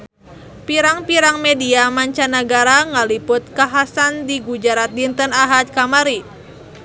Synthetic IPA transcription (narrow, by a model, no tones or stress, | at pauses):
piɾaŋpiɾaŋmɛdiamaɲt͡ʃanaɡaɾaŋalipʊt̪̚kaɦasandiɡud͡ʒaɾat̪̚dint̪ənaɦat̪̚kamaɾi